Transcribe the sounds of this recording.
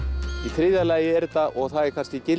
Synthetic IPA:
iθɾɪðalaːjɪɛɾt̪aʔɔɣθaðɛɾ̥kʰan̥scɪcɪl

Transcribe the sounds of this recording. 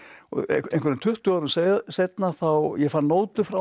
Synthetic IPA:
ɔ̰ẽnŋkvɛɾɪnt̪ʰʏht̪ʏawɾʏmseðsejt̪naθawjɛfannːoːwt̪lʏfɾa

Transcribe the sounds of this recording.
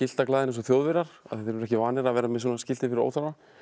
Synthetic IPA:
ɪl̥t̪aklaːðɪnɛns̬ɔθjowðvɪɾaɾ̥a̰ðθɛθeɾvɾɛhcɪvaːnɪɾaðvɛːɾamɛðs̬ɔːnascɪlt̪ɪfɪɾɪɾo̰ːwθaɾa

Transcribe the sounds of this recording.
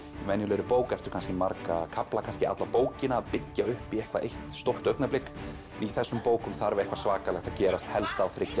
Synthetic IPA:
mɛnjʏlœɾʏpoːwkɛr̥t̪ʏ̥ɾkʰanscɪmaɾkakʰaplakʰanscɪa̰t̪lapoːwcɪnaːðpɪcːaʏhpiɛhkva̰ʔejht̪st̪owr̥t̪œɥknaplɪk | iθɛsːʏmpoːwkʏmθaɾvɪɛhkvasvaːkalɛxt̪aðcɛːɾast̪hɛlst̪awθɾɪcːa

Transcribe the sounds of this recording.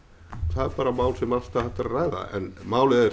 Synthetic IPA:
θaðɛɾpaːɾamaːwlsɛmast̪ahɛt̪ːaɾrajða̰ʔɛ̰nmaːwlɪɛ

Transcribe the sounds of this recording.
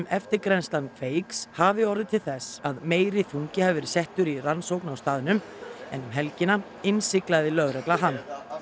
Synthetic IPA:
mɛft̪ɪɾkɾɛnst̪lankfeːjkshavɪɔɾðɪt̪ʰɪlθɛsːaðmeːjɾɪθuɲcɪhɛvɪɾsɛht̪ʏɾiransowknawst̪aːðɪnʏm | ɛnʏmɦɛlcɪna | ɪnsɪklaðɪlœɣrɛt̪laɦan

